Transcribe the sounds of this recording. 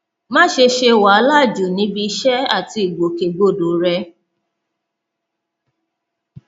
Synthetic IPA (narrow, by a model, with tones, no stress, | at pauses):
mã˦ʃe˧ʃe˧wa˨a˦la˦˨d͡ʒu˨nĩ˨˦bi˧˦ʃɛ˦a˦˨ti˧i˨ɡ͡bo˨ke˨ɡo˦˨do˨ɾɛ˧˦